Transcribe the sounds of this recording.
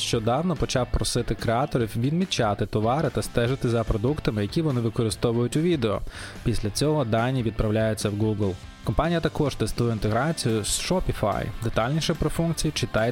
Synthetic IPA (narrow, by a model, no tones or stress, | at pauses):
ʃt͡ʃɔd̪ɑwnɔpɔt͡ʃɑwpɾɔsɪt̪ɪkɾeat̪ɔɾʲiwʋʲidnmʲit͡ʃɑt̪ɪt̪ɔʋɑɾɪt̪ɐst̪ɛʒɪt̪ɪzɐpɾɔd̪ukt̪ɐmɪjɐkʲiʋɔnɪʋɪkɔɾɪst̪ɔʋʊjʊtʲʊʋʲid̪eɔ̰pʲisʲlʲɐt͡sʲɔɦɔd̪ɑnʲːiʋʲid̪̚pɾɐwlʲajʊt͡sʲːɐwɡuɡlˠ | kɔmpɑnʲijɐt̪ɐkɔʒt̪ɛst̪ujɛint̪eɦɾɑt͡sʲijʊsʃɔpʲifa̰jd̪et̪ɑlʲnʲiʃɛpɾɔfunkt͡sʲijt͡ʃɪt̪ɑj